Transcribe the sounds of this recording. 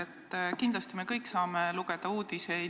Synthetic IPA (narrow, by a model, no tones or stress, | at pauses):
et̪ːkind̪lɑst̪ime̞kɤjkːˑsɑːmeluɡ̥e̞d̪̥ɑuːd̪̥ise